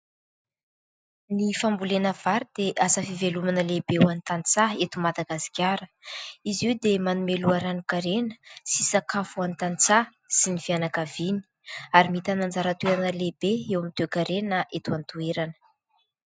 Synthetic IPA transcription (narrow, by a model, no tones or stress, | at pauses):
nifambulenəv̥aɾid̪eʔasəfivelumanəlebewant̪ant͡saet̪umad̪aɡasi̥kʲaɾəizewd̪emanumeluaɾanukaɾenə̥sisakafuant̪ant͡sa | sinifianakavini̥aɾimit̪anand͡zaɾət̪ueɾanəlebeewamit̪ekaɾenəʔet̪uant̪ueɾanə̥